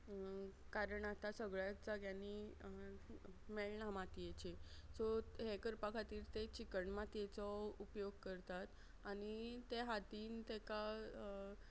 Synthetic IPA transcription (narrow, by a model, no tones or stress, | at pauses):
kaɾəɳat̪asəɡɭjad͡zaɡjani | meɭɳamat̪ijet͡ɕesɔɦekəɾpakʰat̪iːɾt̪et͡ɕikəɳmat̪jet͡sɔupjoɡ̚kəɾt̪at̪ | añit̪eɦat̪iːnt̪eka